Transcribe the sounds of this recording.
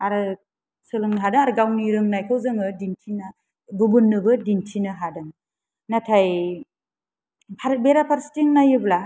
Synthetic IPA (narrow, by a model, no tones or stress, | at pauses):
aɾɯ | sɯlɯŋnɦadɯŋaɾɯɡawniɾɯŋnajkʰawzɯŋɯdintʰina | bubɯnːɯbɯdintʰinɯɦadɯŋ | natʰaj | pʰabeɾapʰaɾsi̥tiŋnajɯbla